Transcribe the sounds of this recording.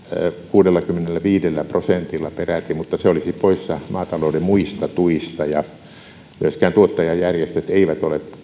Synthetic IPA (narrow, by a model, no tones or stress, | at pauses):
kuːdelːɑkymːenelːæʋiːdelːæprosent̪ilːɑperæt̪immut̪ːɑseolisippoissɑmɑːt̪ɑloudemmuist̪ɑt̪uist̪ɑjɑ | myøskæːnt̪uot̪ːɑjɑjjærjest̪et̪eiʋæt̪ole